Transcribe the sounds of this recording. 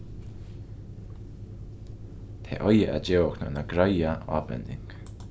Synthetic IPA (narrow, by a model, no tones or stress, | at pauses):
t̪ʰḛːʔɔjəʔad͡ʒeːwknɔ̰naɡɾajaa̰ːpɛ̰nd̪ɪ̰ŋk